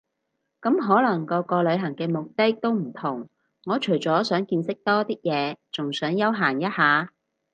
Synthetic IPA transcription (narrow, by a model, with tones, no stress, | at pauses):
kɐ˨˥mɦɔː˨˥lɐ˨˩ŋkɔː˧kɔː˧lɵ˨˧ɥɦɐ˨˩ŋkɛː˧mʊ˨k̚t̪ɪ˥k̚t̪o˥wm̩˨˩t̪ʰʊ˨˩ŋː | ɔː˨˧t͡ʃʰɵ˨˩ɥt͡sɔː˨˥sœː˨˥ŋkiː˧nsɪ˥k̚t̪ɔː˥t̪iː˥k̚jɛː˨˧t͡sʊ˨ŋsœː˨˥ŋjɐ˥wɦaː˨˩njɐ˥t̚haː˨˧